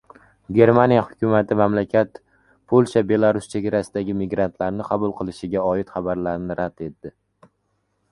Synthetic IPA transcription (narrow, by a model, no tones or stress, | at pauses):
ɡʲe̞ɾmanijahʊkʲʊmat̪ʰɪmamlakʲʰat̪ | pʰolʲˠʃabe̞lˠaɾʊst͡ʃʰe̞ɡʲaɾasɪd̪aɡʲɪmɪɡɾant̪ʰlaɾnɪqʰɑbʊlˠqʰɨlˠɪʃɪɡʲaɒɪt̪χɑbaɾlaɾnɪɾad̪̥e̞t̪ːɪ